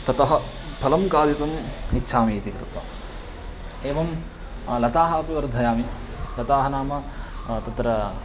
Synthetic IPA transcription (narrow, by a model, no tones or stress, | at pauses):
t̪ɐt̪ɐɦɐ | pʰɐlɐmkaːd̪it̪ɐmitːʃʰaːmiːt̪ikɾɨt̪ʋɐ̰m | eːʋɐm | lɐt̪aːɦaːpiʋɐɾd̪ʱɐjaːmi | lɐt̪aːɦɐnaːmɐ | t̪ɐt̪ɾɐ